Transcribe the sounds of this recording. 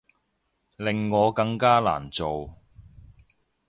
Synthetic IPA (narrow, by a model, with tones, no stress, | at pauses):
lɪ˨ŋːɔː˨˧kɐ˧ŋkaː˥la̰ː˨˩nt͡so˨w